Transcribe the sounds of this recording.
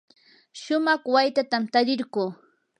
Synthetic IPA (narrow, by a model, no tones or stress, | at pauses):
ʃʊmɑχwajt̪at̪amt̪aɾɪɾɢuː